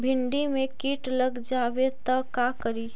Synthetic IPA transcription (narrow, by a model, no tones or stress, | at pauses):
bʱɪɳɖimẽkiːʈləɡd͡ʒaʋet̪əkakəɾiː